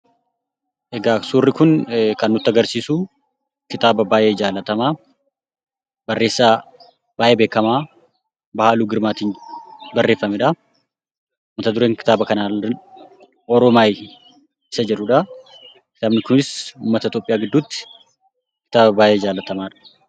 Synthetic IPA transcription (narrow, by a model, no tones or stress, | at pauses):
ʔɛɡaːksuːrːɪkʊnkɐnːʊt̪ːɪɐɡɐɾsiːsu | kɪt̪ʼaːbɐbaːʔe̞ːd͡ʒaːlɐt̪ɐmaː | bɐrːe̞ːsːaː | b̥aːʔeːbeːkːɐmaː | bɐhaːluːɡɪɾmaːt̪iːnbɐrːe̞ːfːɐmɛᶑɐ | ʊːmːɐt̪ɐd̪ʊɾeːŋkɪ̥t̪aːbɐkɐnaː | ɔɾɔmaːj | ɪsɐd͡ʒɛᶑːʊᶑɐ | kɪ̥t̪aːbnɪkʊnɪsuːmːɐt̪ɐɪt̪oːpʼːɪjaːɡɪd̪ːuːt̪ːɪ̥ | kɪ̥t̪aːbɐbaːʔeːɪd͡ʒaːlɐt̪ɐmaːᶑɐ̥